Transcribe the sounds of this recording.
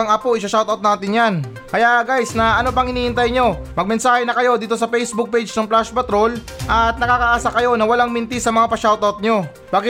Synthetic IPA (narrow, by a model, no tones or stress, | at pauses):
ɐŋʔɐpoʔɪsɐʃawt̪ɐwt̪̚naːt̪ɪnjan | kɐjaʔɡajsnɐʔɐno̞p̬ɐŋʔɪniːʔɪnt̪ajɲo̞mɐɡ̚mɛnsaːhɛnɐkɐjo̞d̪iːt̪o̞sɐpɛjsbʊk̚pejd͡ʒnɐŋplaʃpɐt̪ɾo̞l | ʔɐt̪̚nɐkaːkɐʔaːsakɐjo̞nɐwɐlaŋmɪnt̪isɐmɐŋapɐʃawt̪ɐwt̪̚ɲo̞ | b̥aːɡɪ